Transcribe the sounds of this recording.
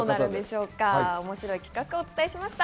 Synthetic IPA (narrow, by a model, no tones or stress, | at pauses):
oːnaɾɯ̃d̪e̞ɕo̞ːkaomo̞ɕiɾo̞ikʲi̥kakɯ̟o̞ːt͡sɨ̥t̪aeɕimaɕi̥t̪a